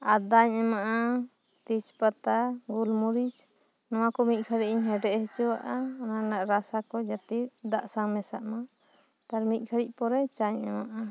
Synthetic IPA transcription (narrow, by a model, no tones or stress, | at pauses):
ad̪aɲɛmaʔa | t̪it͡ʃpat̪aɡulmuɾit͡ʃ | nɔw̃akɔmic̚ˀkʰəɽiʔ̚iɲɦɛɖɛʔhit͡ʃɔwaʔananaʔɾasakɔd͡ʒat̪id̪aʔsaŋmɛsaʔma | t̪aɾmic̪̚kʰəɽic̚ˀpɔɾɛt͡ʃaɲɛmaʔa